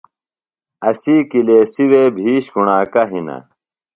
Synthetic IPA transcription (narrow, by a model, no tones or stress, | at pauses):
ɐsiːkileːsiweːbʱiːɕɡuɳaːkɐɦinɐ̰